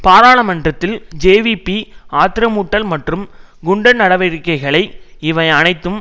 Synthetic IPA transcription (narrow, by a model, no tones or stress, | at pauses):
paːɾaːɭɐmɐndrɐt̪ːɪld͡ʒeːʋipːiaːt̪ɪɾɐmuːʈːɐlmɐʈrɯm | ɡʊɳɖɐnɐɽɐʋɪɾkːɐɪɣɐɭɐɪɪʋɐɪɐnɐɪt̪ːɯm